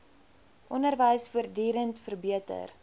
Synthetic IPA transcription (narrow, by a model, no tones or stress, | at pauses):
ʔɔnərvəjsfuərdiːɾəntfərbiətə̰r